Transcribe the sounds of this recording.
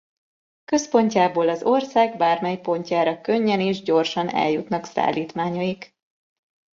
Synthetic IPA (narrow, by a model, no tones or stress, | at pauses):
kø̞spo̞ɲcaːboːlɒzo̞rsaːɡ̚baːrmɛjpo̞ɲcaːɾɒkøɲːɛneːʒɟo̞rʃɒnɛ̰ljut̪nɒksa̰ːliːt̪maːɲɒik